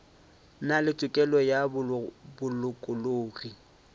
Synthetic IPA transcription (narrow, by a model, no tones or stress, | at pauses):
nalɪt͡sʼʊkʼɛlɔjabʊlʊkʼʊloːri